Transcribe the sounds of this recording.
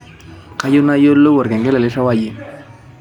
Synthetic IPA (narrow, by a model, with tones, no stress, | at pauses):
ka˦ju˦na˦jo˦lːo˦wɔ˨ɾkɛ˨ŋɡɛ˦lɛ˨lɪ˦ʂa˦wa˦˨ji˦